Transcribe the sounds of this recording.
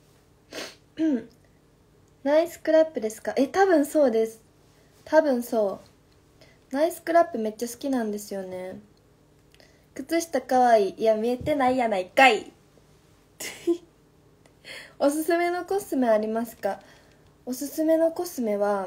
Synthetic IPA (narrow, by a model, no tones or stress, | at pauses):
ɯ̃ɴ | naisɨ̥kɯ̟ɾapːɯ̟d̪e̞sɨ̥kaʔe̞t̪abɯ̟̃ɰ̃so̞ːd̪e̞sɨ̥ | t̪ʰabɯ̟̃ɰ̃so̞ː | naisɨ̥kɯ̟ɾapːɯ̟me̞t͡ɕːasɨ̥kʲinãnd̪e̞sɨjo̞ne̞ | kɯ̟t͡sɨɕi̥t̪akaβaijamʲie̞t̪e̞naijanaikai | o̞sɨsɨme̞no̞ko̞sɨme̞aɾʲimasɨ̥ka | o̞sɨsɨme̞no̞ko̞sɨme̞βa